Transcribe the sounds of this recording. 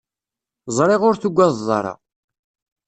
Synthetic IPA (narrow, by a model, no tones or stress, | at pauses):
zˤɾˤeʁʊɾθuɡʷːæðzˤːɑ̰ɾˤɑ̰